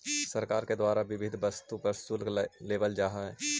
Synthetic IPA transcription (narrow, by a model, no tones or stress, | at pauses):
səɾkaːɾked̪waːɾaʋɪʋɪd̪ʱbɐst̪upɐɾsulleːbəld͡ʒaːɦaɦɛː